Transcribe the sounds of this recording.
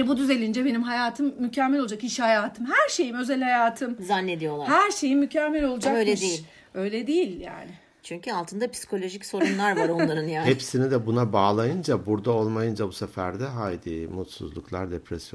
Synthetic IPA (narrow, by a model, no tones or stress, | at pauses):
jɛbud̪yze̞lʲind͡ʒɛbe̞nimɦajaːt̪ʰɯmːycʰɛmːɛlʲolˠd͡ʒakiʃhajaːt̪ʰɯmhæɾʃe̞jimø̞zælʲhajaːt̪ʰɯmzanːed̪ijo̞lˠahæɾʃe̞jimːycʰɛmːɛlʲo̞lˠud͡ʒaøjlɛd̪ei | ø̞jlʲɛd̪ejilʲja̰ːnɪ | t͡ʃʰyɲcʰyalˠt̪ʰɯnd̪apsi̥kʰo̞lʲo̞ʒicso̞ɾunlˠaɾvaɾo̞nˠaɾɯnjaːhɛpsinid̪ɛbunabaːlˠajɯnd͡ʒabuɾd̪ao̞lˠmajɯnd͡ʒabusefæɾd̪ɛɦajd̪iːmut̪sṵzlˠuklˠaɾd̪epɾɛsjo